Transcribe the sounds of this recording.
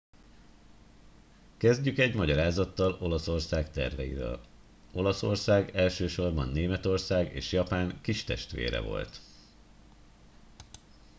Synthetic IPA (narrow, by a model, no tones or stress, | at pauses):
kɛzɟykɛɟmɒɟɒɾaːzɒt̪ːɒlo̞lɒso̞rsaːkt̪ɛ̰rvɛjḭɾø̰ːl | o̞lɒso̞rsaːɡɛlʃøːʃo̞rbɒnːeːmɛt̪o̞rsaːɡḛːʃjɒpaːŋkiʃt̪ɛ̰ʃt̪ʋḛːɾɛ̰vo̞̰lt̪